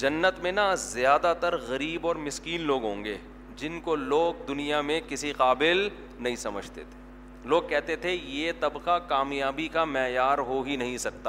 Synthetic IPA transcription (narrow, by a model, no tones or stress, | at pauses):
d͡ʒɐnːət̪mẽnazjaːd̪at̪ɐɾɣɐɾiːbɔːɾmɪskiːnloːɡɦõːŋɡeː | d͡ʒɪnkoloːɡ̚d̪ʊnijamẽkɪsiqaːbɪl | nɐɦĩsɐmə̰d͡ʒʱt̪ḛt̪ʰe̥ | loːɡ̚kɛɦt̪et̪ʰejet̪ɐbqakaːmjaːbikamɛːjaːɾɦoɦinɐɦĩsɐk̚t̪aː